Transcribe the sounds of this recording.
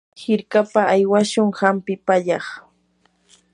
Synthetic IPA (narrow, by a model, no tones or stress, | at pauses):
hɪɾkapaːjwaʃʊŋhampɪpaʎɑχ